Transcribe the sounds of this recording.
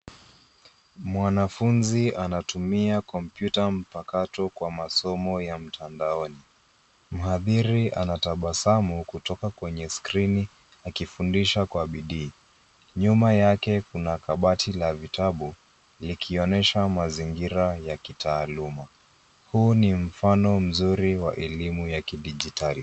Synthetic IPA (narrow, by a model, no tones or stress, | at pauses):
mwanafunzianatumiakɔm̩pjutam̩pakatɔkwamasɔmɔjam̩tʰandaɔni | m̩haðiɾiʔanataɓasamukutɔkakwɛɲɛskɾini | akifundiʃakwaɓiɗiː | ɲumajakɛkunakaɓatʰilavitaɓu | likʰiɔnɛʃamaziŋɡiɾajakitaːluma | hunim̩fanɔm̩zuɾiwa̰ʔɛlimujakiɗiʄitali